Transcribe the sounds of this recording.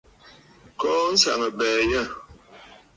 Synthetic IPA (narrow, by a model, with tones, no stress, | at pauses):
kɔ˦n̩˦sa̰˨ŋə˨bɛː˨jɛ˦˨